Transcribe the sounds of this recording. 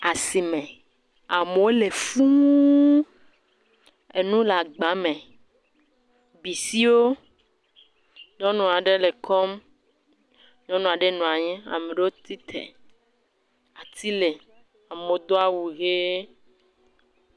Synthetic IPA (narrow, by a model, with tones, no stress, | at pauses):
a˨si˨mẽ˨ | a˨me˨wo˦le˨fu˦ | e˨nũ˦la˨ɡ͡bã˨˦mẽ˨ | bi˨si˦wo˦ | ɲɔ̃˦nũ˨a˨ɖe˦le˨kʰɔ˦m | ɲɔ̃˦nũ˨a˨ɖe˦nũ˨a˨ɲɛ̃˦a̰˨mẽ˨ɖe˦wo˦t̪i˦t̪ʰḛ˨ | a˨t̪i˦le˨ | a˨mo˨d̪o˦a˦wu˨ɣe˦